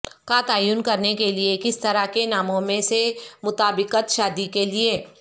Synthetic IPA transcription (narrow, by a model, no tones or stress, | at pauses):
kat̪aːjuːnkɐɾnekeliekɪst̪ɐɾakenaːmõmẽsemʊt̪aːbɪqət̪ʃaːd̪ikelie